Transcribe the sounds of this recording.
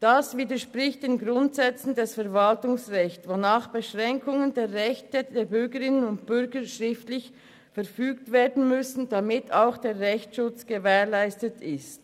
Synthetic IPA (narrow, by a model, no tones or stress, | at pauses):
d̥asviːdəʃpʁɪçt̚d̥eːnɡʁʊntz̥ɛt͡sn̩dɛsfɛɐvaltʊŋsʁɛçtvonaːχb̥əʃʁɛŋkʊŋəndeːɐʁɛçtədeːbʏʁɡəʁɪnənʊntb̥ʏɾɡəʃʁɪftlɪç | fɛɐfyːk̚tveːɐdn̩mʏsn̩d̥amɪtʰaʊxd̥eːɐʁɛçtʃʊt͡sɡ̥əvɛeːlaɪstətʰɪst